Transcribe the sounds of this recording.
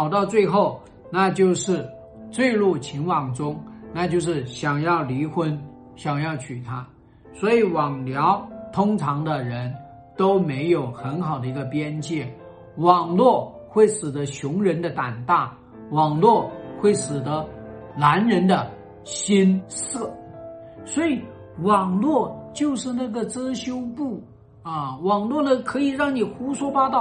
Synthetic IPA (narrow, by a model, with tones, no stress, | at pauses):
ʊt̪ɑ˥˧ʊt͡swe˥˧ɪxo˥˩ʊ | na˥˧t͡ɕjo˥˧ʊʂɻ̩˥˩ | t͡swe˥˧ɪlu˥˩t͡ɕʰi˧˥nwɑ˨˩ŋʈ͡ʂʊ˥ŋna˥˧t͡ɕjo˥˧ʊʂɻ̩˥˩ɕjɑ˨˩ŋjɑ˥˩ʊli˧˥xwə˥n | ɕjɑ˨˩ŋjɑ˥˩ʊt͡ɕʰy˨˩t̪ʰa˥ | swɔ˧˥i˨˩wɑ˨˩ŋljɑ˧˥ʊt̪ʰʊ˥ŋʈ͡ʂʰɑ˧˥ŋd̪ə˧ɻə˧˥n | t̪o˥ʊme˧˥ɪjo˨˩ʊxə˧˥nxɑ˨˩ʊd̪ə˦i˧˥ɡə˧pjɛ˥nt͡ɕjɛ˥˩ | wɑ˨˩ŋlwɔ˥˩xwe˥˩ɪʂɻ̩˨˩d̪ə˦ɕjʊ˧˥ŋɻə˧˥nd̪ə˧t̪a˨˩nt̪a˥˩ | wɑ˨˩ŋlwɔ˥˧xwe˥˩ɪʂɹ̩˨˩d̪ə˦la˧˥nɻə˧˥nd̪ə˧ | ɕi˥ns̩˥˩ | swɔ˧˥i˨˩ | wɑ˨˩ŋlwɔ˥˩t͡ɕjo˥˧ʊʂɻ̩˥˧na˥˩ɡə˩t͡sɤ˥ɕjo˥ʊpu˥˩ | ɐ˥˧wɑ˨˩ŋlwɔ˥˩d̪ə˩kʰɤ˧˥i˨˩ɻɑ˥˩ŋni˨˩xu˧˥ʂwɔ˥fa˥t̪ɑ˥˩